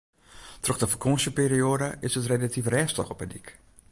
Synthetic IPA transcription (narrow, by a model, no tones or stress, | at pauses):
troxdəfəkʰosəpeːɾioːdəʔɪsətrelatifrɛːstə̰xɔpədik